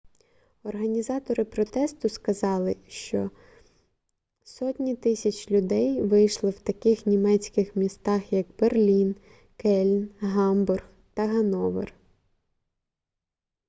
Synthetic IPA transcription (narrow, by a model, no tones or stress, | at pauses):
ɔrɦɐnʲizɑt̪ɔɾɪpɾɔt̪ɛst̪ʊskɐzɑlˠɪʃt͡ʃɔ | sɔtʲnʲit̪ɪsʲɐt͡ʃʲlʲʊd̪ɛjʋɪjʃlˠɪwt̪ɐkɪxnʲimɛt͡sʲkɪxmʲist̪ɑxjɐkb̥erlʲin | kɛlʲnɦɑmburx | t̪ɐɦɐnɔʋḛr